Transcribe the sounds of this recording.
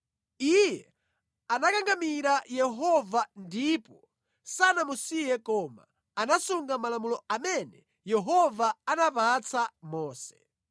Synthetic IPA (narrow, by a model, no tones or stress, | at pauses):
ijɛ | anakaŋɡamiɾajɛɦɔvandipɔ | sanamusijɛkɔːma̰ | anasuŋɡamalamulɔamɛnɛ | jɛɦɔvaanapat͡sʰamɔːsɛ̥